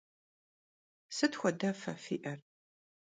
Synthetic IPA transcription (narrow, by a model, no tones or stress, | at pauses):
sɨtxʷɔdɐfɐ̰fḭːʔɐr